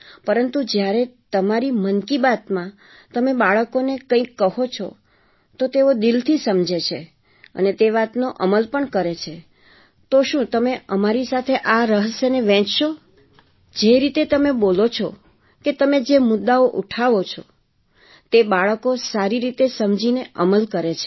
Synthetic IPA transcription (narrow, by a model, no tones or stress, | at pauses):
pəɾənt̪ud͡ʒjaɾet̪əmaɾimənkibat̪mã | t̪əmebaɭəkonekə̃ĩkːəɦot͡ʃʰɔ̰ | t̪ot̪eod̪ilt̪ʰisəmd͡ʒet͡ʃʰe | ə̰net̪eʋat̪noʔəməlpəɳkəɾet͡ʃʰe | t̪oʃũt̪əmeəmaɾisat̪ʰeʔaɾəɦəseneʋɛ̃t͡ʃʃo | d͡ʒeɾit̪et̪əmebolot͡ʃʰɔ | ket̪əmed͡ʒemʊd̪ːaoʔuʈʰaʋot͡ʃʰɔ | t̪ebaɭəkosaɾiɾit̪esəmd͡ʒineʔəməlkəɾet͡ʃʰe̥